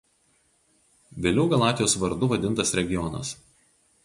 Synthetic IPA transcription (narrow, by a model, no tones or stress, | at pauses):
ʋʲeːlʲɛʊɡɐlˠɑːt̪ʲɪjoːsʋɐɾd̪ʊʋɐd̪ʲɪnt̪ɐsɾʲɛɡʲɪjɔnɐ̰s